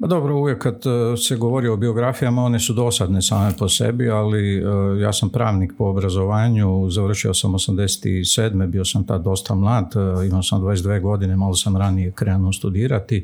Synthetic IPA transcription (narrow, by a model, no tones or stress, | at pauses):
pad̪o̞bɾouʋjekːad̪seɡo̞ʋo̞ɾioobio̞ɡɾafijamao̞nesud̪o̞sad̪nesaːme̞po̞sḛbialija̰ːsampɾaːʋnik̚po̞obɾazo̞ʋaːɲuzaʋr̩ʃiosamosamd̪e̞se̥t̪ḭseːd̪me̞bio̞samt̪ad̪o̞st̪amlˠaːd̪imaosamd̪ʋaːjes̬d̪ʋeːɡo̞d̪inemaɡlosamɾanijekɾeanost̪ud̪iːɾat̪i